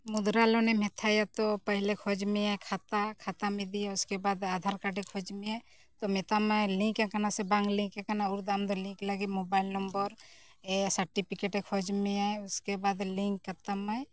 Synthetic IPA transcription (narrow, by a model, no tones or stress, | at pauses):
mud̪ɾalɔnemɛt̪ʰajat̪ɔpəɦilekʰɔd͡ʒmeajkʰat̪akʰat̪amid̪ijaʊskebad̪ad̪ʱaɾkaɖekʰɔd͡ʒmeaj | t̪ɔmɛt̪amajlĩkɛkanasɛbaŋɡlĩkekanauɾd̪amd̪ɔlĩklaɡimobailnɔmbɔɾ | ɛsəɾʈipʰikeʈekʰɔd͡ʒmeajʊskebad̪liŋkːət̪amaj